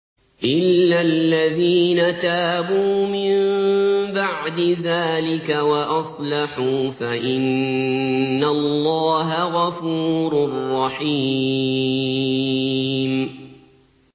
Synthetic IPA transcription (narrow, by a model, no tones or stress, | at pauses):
ʔɪlːalːaðiːnat̪aːbuːmɪmbaʕd̪ɪðaːlɪkawaʔɑsˤlɑħuːfaʔɪnː | allːɑːɦaɣɑfuːɾʊrˤːɑħiː | m